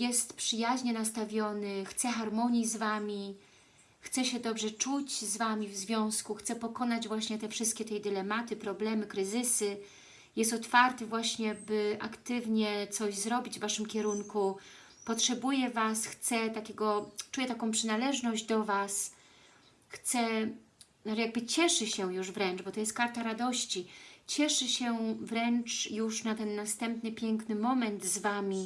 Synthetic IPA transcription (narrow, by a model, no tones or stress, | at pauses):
jɛst̪pʂɘjaʑɲɛnast̪avʲjɔnɘxt̪sɛxaɾmɔɲizvamʲi | xt̪sɛɕɛd̪ɔbʐɛt͡ʂut͡ɕzvamʲivzvʲjɔ̃w̃skuxt̪sɛpɔkɔnad͡ʑvwaɕɲɛt̪ɛfʂɘst̪kʲɛt̪ɛd̪ɘlɛmat̪ɘpɾɔblɛmɘkɾɘzɘsɘ | jɛst̪ɔt̪faɾt̪ɘvwaɕɲɛbɘʔakt̪ɘvɲɛt̪sɔʑzɾɔbʲid͡ʑvvaʂɘmkʲɛɾuŋku | pɔtʂɛbujɛvasxt̪sɛt̪akʲɛɡɔt͡ʂujɛt̪akɔ̃w̃pʂɘnalɛʐnɔʑd͡ʑd̪ɔvas | xt̪sɛ | najaɡ̚bɘt͡ɕɛʂɘɕɛjuʐvɾɛnt͡ʂbɔt̪ɔjɛst̪̚kaɾt̪aɾad̪ɔɕt͡ɕit͡ɕɛʂɘɕɛvɾɛnt͡ʂjuʂnat̪ɛnːast̪ɛmpnɘpʲjɛŋknɘmɔmɛnd̪zvamʲi